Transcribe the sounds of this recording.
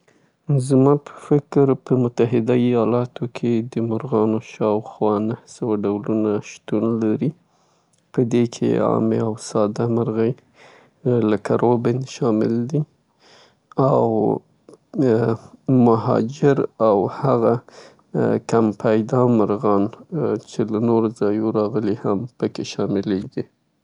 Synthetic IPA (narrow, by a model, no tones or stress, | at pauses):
zmɑpə̥fɪkɾpəmʊt̪aɦɪd̪aijɑlɑt̪ʰokʰed̪əmʊɾɣɑnoʃɑwxwɑnahsəwaɖawlunaʃt̪unlaɾi | pəd̪ekʰḛɑ̰mḛawsɑd̪amaɾɣəj | ləkʰaɾobɪnʃɑmɪ̰ld̪i | aw | maɦɑ̰d͡ʒɪɾawhaɣa | kampʰajd̪ɑmaɾɣɑnt͡ʃelanoɾozɑjoɾɑɣəlihampəkeʃɑmɪleɡi